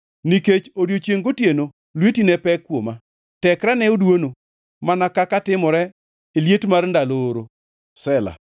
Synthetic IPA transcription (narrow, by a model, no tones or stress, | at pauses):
niket͡ʃodjot͡ʃjeŋɡotjeno | lwetinɛpɛkːwoma | tɛkɾanɛodwono | manakakatɪmɔɾɛ | eljetmarndaloːɾo | sɛla̰